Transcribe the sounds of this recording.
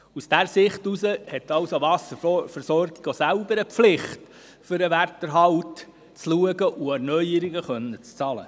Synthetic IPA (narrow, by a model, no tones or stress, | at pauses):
usd̥æɾsɪχtusəhɛtɑwsovɑsəɾfəɾsɔɾɡiɡ̥osælbəɾəpflɪχt | fʏɾəʋærtəɾɦɑlt | t͡sluəɡəʔuæɾnœʏjəɾiɡəχœnːət͡st͡sɑlə̰